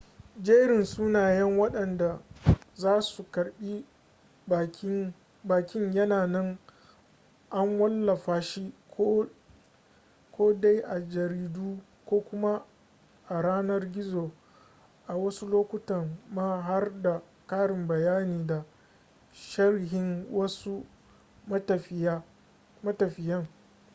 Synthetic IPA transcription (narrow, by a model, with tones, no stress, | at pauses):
d͡ʒeː˦ɽɪ˨nsuː˦naː˨jɛ˦ŋwɐ˦ɗɐ˨nda˨zaː˦su˨kɐ˨ɽɓi˦˨˦ | baː˨kʲɪ˦ɲjɐ˦naː˨nɪ˦ŋ | ʔa˦ŋwɐ˦lːɐ˨ɸaː˨ʃi˦kː | kʷoː˦da˦jʔa˨d͡ʒɐ˨ɾiː˦duː˦ | kʷoː˦kʷʊ˦ma˦ | ʔa˨ɽaː˦nɐ˦rɡʲɪ˦zoː˨ | ʔa˨wɐ˦su˦loː˦kʷʊ˦tɐ˨mmaː˦ɦa˦rda˨ | kaː˦ɽɪ˨mbɐ˨jaː˦niː˨da˨ | ʃɐ˦rɦɪ˨ŋwɐ˦su˦ | mɐ˦tɐ˨ɸɪ˨ja˦ | mɐ˦tɐ˨ɸɪ˨jɐ˦ŋ